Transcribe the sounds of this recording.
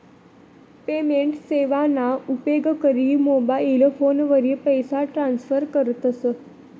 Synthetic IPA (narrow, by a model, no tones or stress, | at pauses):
pemeɳʈseʋanaupeɡkəɾiːmobailfonʋəɾiːpəjsaʈɾansfəɾkəɾt̪əsə